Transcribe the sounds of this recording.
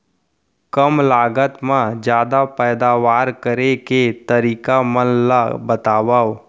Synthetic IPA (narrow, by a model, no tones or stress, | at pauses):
kəmlaːɡət̪mãd͡ʒjaːd̪apɛːd̪aːʋaːɾkəɾeket̪əɾiːkamənlabət̪aːʋaːo